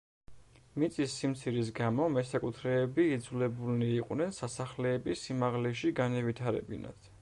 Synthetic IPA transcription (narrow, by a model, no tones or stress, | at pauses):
mit̪sʼisːimt̪sʰiɾis̬ɡamɔmɛsakʼut̪ʰɾɛːbiːd̪zulɛbulniːqʼwnɛnsasaχlɛːbisimaʁlɛʃiɡanɛvit̪ʰaɾɛ̰bḭna̰t̪ʰ